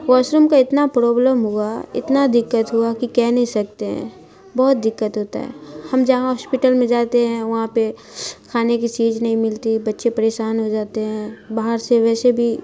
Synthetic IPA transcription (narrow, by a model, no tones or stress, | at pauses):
ʋaːʃɾumkaɪt̪napɾɔːbləmɦuaɪ̰t̪nad̪ɪkːət̪ɦuakikɛːnɐɦĩsɐk̚t̪eɦɛ̰̃ | bɔːʊt̪̚d̪ɪkːət̪ɦoːt̪a̰ɦɛ̰ːhɐmd͡ʒɐɦãɦɔːspɪʈəlmẽd͡ʒaːt̪eɦɛ̃ʋɐɦãpe | kʰaːnekit͡ʃiːd͡ʒnɐɦĩmɪlt̪ibɐtːʃepɐɾeːʃaːnɦod͡ʒaːt̪eɦɛ̃baːɦəɾseʋɛːsebʱi